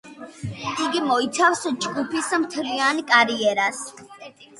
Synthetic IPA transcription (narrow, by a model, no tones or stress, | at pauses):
iɡimɔit̪sʰafsd͡ʒɡupʰismt̪ʰɾiankʼaɾiɛɾas